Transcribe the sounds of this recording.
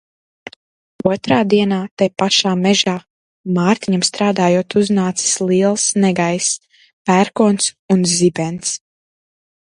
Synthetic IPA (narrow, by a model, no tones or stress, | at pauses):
uɔt̪ɾaːd̪iɛnaːt̪ɛpaʃaːmɛʒaː | maːɾt̪iɲamst̪ɾaːd̪aːjoɔt̪uznaːt̪si̥slˠiɛlˠsnɛɡajs | pæɾkɔːns | unzibɛnt̪s